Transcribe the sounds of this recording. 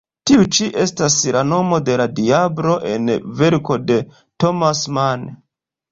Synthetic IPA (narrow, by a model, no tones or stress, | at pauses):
tiut͡ʃiʔe̞staslano̞mo̞de̞ladiabɾo̞ʔe̞̰nve̞ɾko̞de̞ | to̞masman